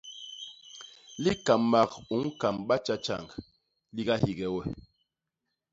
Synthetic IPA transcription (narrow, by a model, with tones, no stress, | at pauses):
li˦ka˨mːa˨ku˨˦ŋ̩˦ka˨mɓa˦t͡ʃa˦t͡ʃa̰˨ŋɡ | li˦ɡa˦hi˨ɡɛ˨wɛ˦˨